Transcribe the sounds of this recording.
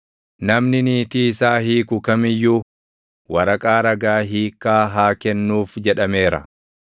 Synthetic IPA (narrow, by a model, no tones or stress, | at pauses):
nɐmnɪniːt̪iːɪsaːɦiːkʊkɐmɪjːuː | wɐɾɐkʼaːɾɐɡaːɦiːkːaːɦaːkɛnːuːfd͡ʒɛᶑɐme̞ːɾɐ̰